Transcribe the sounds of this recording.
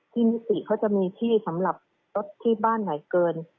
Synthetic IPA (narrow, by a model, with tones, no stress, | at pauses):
t̪ʰiː˥˩mi˦˥t̪i˨˩kʰa˦˥wt͡ɕa˨˩ʔmiː˧t̪ʰiː˥˩sa˩˦mɾa˨˩p̚ | lo˦˥t̪ʰːiː˥˩baː˥˩nːa˩˦jkɤː˧n